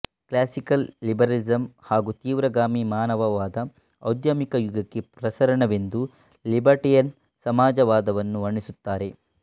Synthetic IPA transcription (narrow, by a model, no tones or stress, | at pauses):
klaːsikɐlːibɐɾɐlid͡ʒɐmhaːɡut̪iːʋɾɐɡaːmimaːnɐʋɐʋaːd̪ɐː | wd̪jɐmikɐjuɡɐkːepɾɐsɐɾɐɳɐʋe̞nd̪u | libɐɾʈijɐn | sɐmaːd͡ʒɐʋaːd̪ɐʋɐnːuʋɐɳːisut̪ːaːɾe̞